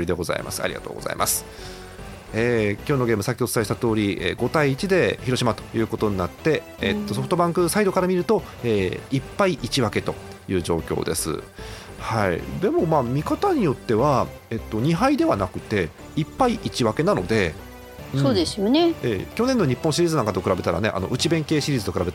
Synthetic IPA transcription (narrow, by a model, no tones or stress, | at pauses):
ɾʲid̪eɡo̞za̰ḭma̰sɨ̥a̰ɾʲiɡa̰t̪o̰ːɡo̞̰za̰ḭmʔasɨ̥ | eːkʲoːno̞ɡe̞ːmɯ̟sakʲiot͡sɨ̥t̪aiɕi̥t̪at̪o̞ːɾʲiʔḛːɡo̞t̪aiːt͡ɕid̪e̞çiɾo̞ɕimat̪o̞̥jɯ̟ːko̞t̪o̞ɲ̟inat̪ːe̞ | et̪ːo̞soɸɯ̥t̪o̞bãŋkɯ̟said̪o̞kaɾamʲiɾɯ̟t̪o̞ | eːipːaiʔit͡ɕiβake̞t̪o̞ | jɯ̟ːʑo̞̰ːkʲo̞̰ːd̪e̞sɨ̰ | haḭd̪e̞mo̞maːmʲikat̪aɲ̟ijo̞t̪ːe̞βa | e̞t̪ːo̞ɲ̟iɦaid̪e̞βanakɯ̟̥t̪e̞ | ipːaiʔit͡ɕiβake̞nano̞̰d̪e̞ | ɯ̃soːd̪esɨjoneḛːkʲo̞nẽ̞nːoɲ̟ipːõɕiɾʲiːzɨnãŋkat̪o̞kɯ̟ɾabe̞t̪aɾa̰ne̞̰ʔa̰noʔɯ̟t͡ɕibẽ̞ŋke̞ːɕiɾʲiːzɨt̪o̞k̟ɾabe̞t̪